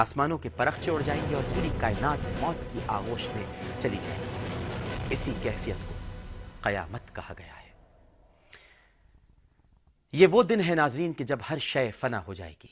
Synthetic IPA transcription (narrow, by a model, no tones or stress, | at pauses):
aːsmaːnõkepɐɾɐxʃeʊɽ̤d͡ʒaːẽːŋɡiɔːɾpʊɾikaːɪnaːt̪mɔːt̪kiʔaːɣoːʃmẽt͡ʃɐlid͡ʒa̰ːḛːɡiː | ɪsikɛːfijət̪koqɐja̰ːmət̪kɐhaɡɐja̰hɛː | jeʋod̪ɪnɦɛnaːzɾiːnked͡ʒɐbhɐɾʃɐfɐna̰ɦod͡ʒa̰ːḛːɡiː